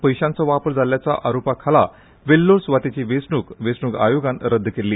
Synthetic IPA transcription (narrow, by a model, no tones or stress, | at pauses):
pəjɕãnt͡sɔʋapəɾd͡zʱaljat͡sa̰ʔaɾopakʰala | ʋelːoɾsʋat̪it͡ɕiʋesɳukʋesɳuka̰joɡãnɾəd̪ʱːkelːiː